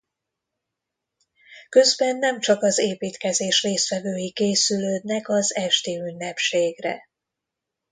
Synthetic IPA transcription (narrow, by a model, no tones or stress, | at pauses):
kø̞zbɛnːɛmt͡ʃɒkɒzeːpiːt̪kɛzeːʃreːst̪ʋɛvøːjikeːsyløːd̪nɛkɒzɛʃt̪eːynːɛpʃeːɡrɛ̰